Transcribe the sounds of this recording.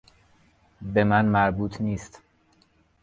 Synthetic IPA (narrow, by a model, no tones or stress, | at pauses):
be̞mænmæɾbuːt̪ʰniːst̪